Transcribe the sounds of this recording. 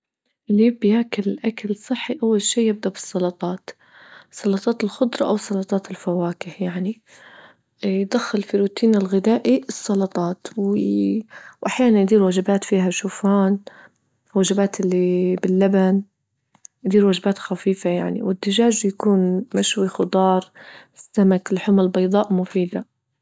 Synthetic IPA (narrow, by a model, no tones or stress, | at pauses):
ʔlɪbɪjaːkalʔakalsˤɨħːiʔawːalʃiːjɪb̚d̪aʔbɨ̥sˤːɑlɑt̪ˤɑːt̪ | sˤɑlɑt̪ˤɑːt̪ɪlxʊd̪ˤɾˤɑʔawsˤːɑlɑt̪ˤɑːt̪ɪlfawaːkɪhjaʕni | jd̪axːɪlfiɾuːt̪iːnɪlɣɪd̪aːʔiɨsˤːɑlɑt̪ˤɑːt̪w | wʔaħjaːnanjd̪iːɾwad͡ʒɪbaːt̪fiːɦaʃuːfaːn | wad͡ʒɪbaːt̪ɪlːibɪlːaban | jd̪iːɾwad͡ʒbaːt̪xafiːfajaʕnḭwɪd̪ːɪʒaːʒjakuːnmaʃwixʊd̪ˤɑːɾˤɪsːamakɪlħʊmalbɑjd̪ˤɑːʔmʊfiːd̪a